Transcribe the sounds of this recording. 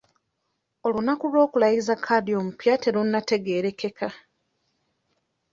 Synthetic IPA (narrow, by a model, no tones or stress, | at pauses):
o̞lunakulwo̞ːkulajizakʰːadio̞ːmupjate̞ɾunːate̞ɡe̞ːɾe̞kːe̞kʰa